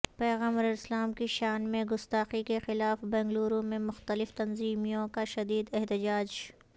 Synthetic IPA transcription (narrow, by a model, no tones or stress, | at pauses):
pɛːɣaːmɐɾɐɾɪslaːmkiʃaːnmẽɡʊst̪aːqikexɪlaːfbɛ̃ːŋɡluːɾõmẽmʊxt̪əlɪft̪ɐnziːmijõkaʃɐd̪iːd̪ɛɦt̪ɪd͡ʒaːd͡ʒ